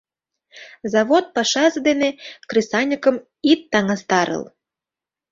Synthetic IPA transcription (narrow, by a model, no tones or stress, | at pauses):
zɑβot̪̚pɑʃɑzɤd̪enekrisɑnʲəkə̆m | it̪ːɑŋɑst̪ɑɾə̰l